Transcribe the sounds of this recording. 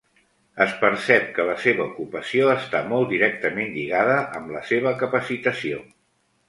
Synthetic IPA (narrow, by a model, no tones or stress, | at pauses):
əspəɾsɛp̚kələseβəukupəsioəst̪amɔlˠd̪iɾɛk̚t̪əmenʎiɣaðəʔəmləseβəkəpəsit̪əsio